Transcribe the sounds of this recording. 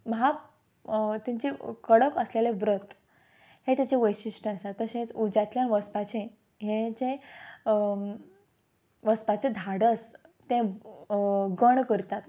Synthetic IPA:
mɦap | t̪iɲt͡ɕikəɽəkəsleleʋɾət̪ | het̪jat͡ɕeʋəjɕiʂʈəasat̪ːəsẽt͡sud͡ʑat̪ljanʋəspat͡ɕẽ | ɦet͡ɕe | ʋəspat͡ɕed̪ʱaɽəst̪ẽ | ɡəɳkəɾt̪at̪

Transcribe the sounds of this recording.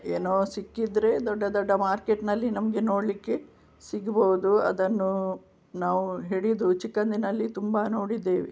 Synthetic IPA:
eːnoːsikːid̪ɾe̞d̪ɔɖːɐd̪ɔɖːɐmaːɾkeʈnɐlːinɐmɐɡe̞no̞ːɽlikːe̞ | siɡɐbɐʋud̪uɐ̰d̪ɐnːu | naːʋuɦeɽid̪ut͡ʃikːɐnd̪inɐlːit̪umbɐno̞ːɽid̪ːeːʋi

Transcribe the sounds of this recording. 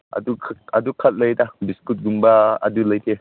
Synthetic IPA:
ʔɐ̰dukʰɐdukʰɐt̚ləjtabiskut̚ɡumbaɐ̰dulɐjt̪ʰe

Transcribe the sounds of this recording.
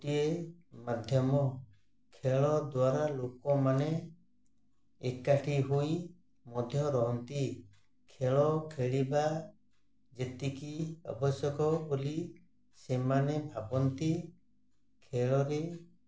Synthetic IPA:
iemad̪ʱjɔmɔ | kʰeɭɔd̪waɾalokɔmane | ekːaʈʰiɦuj | mɔd̪ʱjɔɾɔɦɔnt̪i | kʰeɭɔkʰeɭiba | d͡ʒet̪ikiɔ̰bʱɔsɔkɔbuli | semanebʱabɔnt̪i | kʰeɭɔɾe

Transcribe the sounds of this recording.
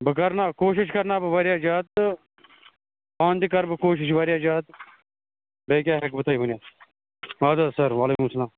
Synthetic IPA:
bəkɐɾnaːkoːʃ̬ɪʃ̬kɐɾnaːbəʋaːɾjaːd͡ʒaːt̪̚ | paːnd̪ikɐɾbəkoːʃ̬ɪʃʋaːɾjaːd͡ʒaːt̪ | beikʲjaːɦɐkbət̪aːiːbənjaː | aːd̪asəɾʋaːleːkʊmsəlaːm

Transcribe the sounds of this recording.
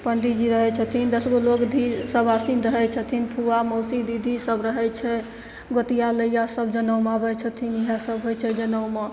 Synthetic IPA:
pəɳɖid͡ʒiɾəɦɛt͡ʃʰət̪ʰind̪əsɡolokd̪ʱisəbasinɾəɦɛt͡ʃʰət̪ʰinpʰuamosid̪id̪ʱisəbɾəɦɛt͡ʃʰɛ | ɡot̪ijaləjasəbd͡ʒənəwmabɛt͡ʃʰət̪ʰiniɦãsəbɦojt͡ʃʰɛd͡ʒənəwma

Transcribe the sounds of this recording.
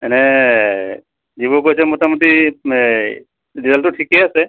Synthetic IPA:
ɛnɛ | zibɔkojsɛmɔtamɔt̪i | dizaltʊʈʰikɛasɛ

